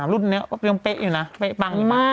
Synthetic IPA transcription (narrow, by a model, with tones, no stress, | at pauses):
lu˦˥˩ni˦˥ɐkɔ˦˥˩i˧əŋpe˦˥ʔjuː˨˩na˦˥pe˦˥ʔba˧ŋmaː˥˩